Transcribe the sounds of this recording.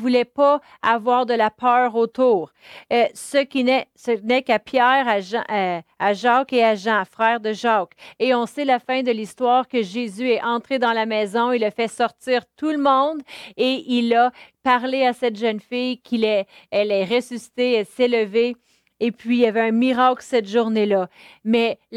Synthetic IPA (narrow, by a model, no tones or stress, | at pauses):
vulɛpa | avwaːʁd̪əlapœːʁot̪uːʁ | səkʲinɛsənɛkapjɛːʁaʒɑ̰̃ʔaʒɑkeaʒɑ̃fʁɛːʁd̪əʒɑkeɔ̃selafɛ̃d̪əlist̪waːʁkəʒezyɛʔɑ̃t̪χed̪ɑ̃lamɛːzɔ̃ilafɛsɔʁt̪iːʁt̪ulmɔ̃d̪eʔilapaʁleasɛt̪ʒœnfɪjkʲʰilɛ | ɛlɛʁesysi̥t̪eɛlseləveː | pɥiljavɛœ̃miʁaklsɛt̪ʒuʁnelʌmɛ